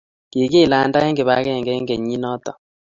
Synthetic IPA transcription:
ki˨ke˦˨la˨˦nda˦ɛ˦ŋɡe˨βa˦kɛ˦˨ŋɡɛ˦ŋɡe˨ɲi˦nɔ˦t̪ɔ˨

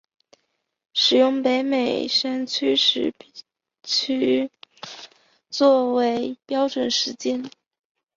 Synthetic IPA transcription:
ʂɻ̩˨˩jʊ˥˩ŋpe˧˥ɪme˨˩ɪʂa˥nt͡ɕʰy˥ʂɻ̩˥˩ | t͡ɕʰy˥ | t͡swɔ˥˩we˧˥ɪpjɑ˥ʊʈ͡ʂwə˨˩nʂɻ̩˧˥t͡ɕjɛ˥n

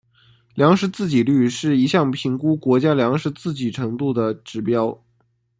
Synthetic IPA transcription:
ljɑ˧˥ŋʂɻ̩˧˥t͡sɹ̩˥˩t͡ɕi˨˩ly˥˧ʂɻ̩˥˩i˧˥ɕjɑ˥˩ŋpʰi˧˥ŋku˥kwɔ˧˥t͡ɕja˥ljɑ˧˥ŋʂɻ̩˧˥t͡sɹ̩˥˩t͡ɕi˨˩ʈ͡ʂʰɤ˧˥ŋt̪u˥˩d̪ə˩ʈ͡ʂɻ̩˧˥pjɑ˥ʊ

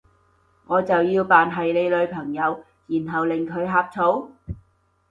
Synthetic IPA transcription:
ŋɔː˨˧t͡sɐ˨wjiː˧wpaː˨nɦɐ˨jle˨˧jlɵ˨˧ɥpʰɐ˨˩ŋjɐ˨˧w | jiː˨˩nɦɐ˨˩wlɪ˨ŋkʰɵ˨˧ɥɦaː˧p̚t͡sʰo˨˥w

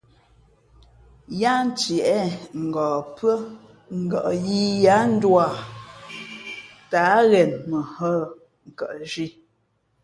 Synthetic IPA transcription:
ja˦n̩˦tjɛ˨ʔɛ˦ŋ̩˨ɡɔː˨pɰə˦ | ŋ̩˨ɡɔ˨ʔji˦ja˦n̩˦dwa˨ | ta˨˦ɣɛ˨nmə˨hə˦˨ | ŋ̩˨kə˨ʔʒi˦

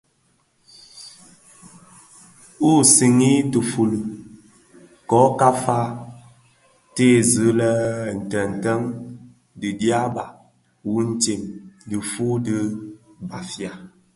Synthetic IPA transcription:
u˦˨si˨ŋi˦tə˨fu˨lu˨ | kɔ˨˦ka˦fa˦ | te˦˨zɨ˨˦lɛ˦n̩˨tə˨n̩˨tə˦ŋ | di˨dja˦ba˨ | wu˦n̩˦te˨mdi˨fu˦di˦ba˨fja˨

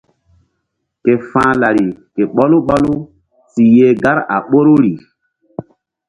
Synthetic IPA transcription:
ke˨fãː˦la˨ɾi˨ke˨ɓɔ˦lu˦ɓɔ˦lu˦ | si˨jeː˦ɡa˦ɾa̰˨ɓo˦ɾu˦ɾi˨

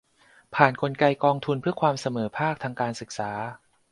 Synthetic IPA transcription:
pʰaː˨˩nkʰo˧nka˧jkɔː˧ŋt̪ʰu˧npʰɯ˥˩ɐkʰwaː˧msa˧mɤː˩˦pʰaː˥˩k̚t̪ʰaː˧ŋkaː˧nsɯ˨˩k̚saː˩˦

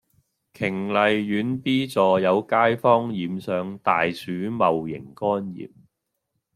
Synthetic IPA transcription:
kʰɪ˨˩ŋlɐ˨jːyː˨˥npiː˥t͡sɔː˨jɐ˨˧wkaː˥jfɔː˥ŋjiː˨msœː˨ŋt̪aː˨jsyː˨˥mɐ˨wjɪ̰˨˩ŋkɔː˥njḭː˨˩p̚

